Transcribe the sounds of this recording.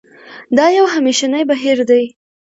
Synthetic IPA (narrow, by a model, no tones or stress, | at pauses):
d̪ɑjawɦameʃanajbaɦiɾd̪aj